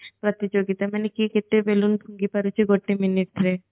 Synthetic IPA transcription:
pɾat̪id͡ʑoɡit̪amanekiket̪ːebelunbʱuŋɡipaɾut͡ɕʰeɡoʈːiminiʈ̚ɾe

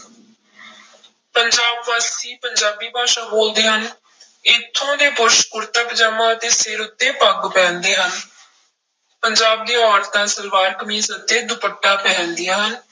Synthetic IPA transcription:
pəɲd͡ʒaːbʋaːsiːpəɲd͡ʒaːbiːbʱaːʃãːboːld̪eːɦən | ɪt̪ʰːõːd̪eːpʊɾʃkʊɾt̪əkd͡ʒəmãːd̪eːsɪɾʊt̪ːeːpəɡpɛ̃ːnd̪eːɦən | pəɲd͡ʒaːb̚d̪eːɔːɾt̪ãːsəlʋaːɾkəmiːsət̪ːeːd̪ʊpəʈːaːpɛ̃ːnd̪ijaːɦən

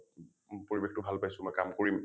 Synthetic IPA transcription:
poɹibextʊbʱalpajsʊmɔjkamkoɹim

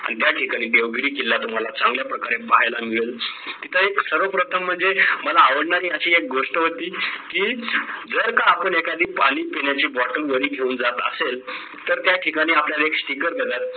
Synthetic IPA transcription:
a̰ɽ̃ĩt̪jaʈʰikaɽ̃iːd̪eʋɡɾiːkilːat̪um̤alat͡sãŋɡljapɾəkaɾepaɦajlamiɭelt̪it̪ʰəeksəɾʋəpɾət̪ʰəm̤ːəɳd͡zeməlaːʋəɽɳaɾiːəɕiːek̚ɡoʂʈəɦot̪iːkiːd͡zəɾkaapəɳekad̪ʱiːpaɽ̃iːpeɳjat͡ɕiːbɔʈəlʋəɾiːɡʱeuːnd͡zat̪ə̰sel | t̪əɾt̪jaʈʰikaɽ̃iːapljalaeksʈikəɾd̪ʱet̪at̪̚

